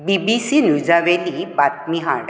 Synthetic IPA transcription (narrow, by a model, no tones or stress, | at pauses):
bibisinud͡ʑaʋelibat̪̚miɦaɽ